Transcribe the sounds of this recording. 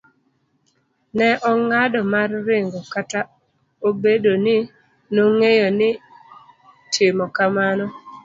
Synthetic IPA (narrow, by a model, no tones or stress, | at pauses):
nɛʔɔŋadɔmarːɪŋɡokata | obedonɪ | noŋejonɪ | tʰɪmɔkamanɔ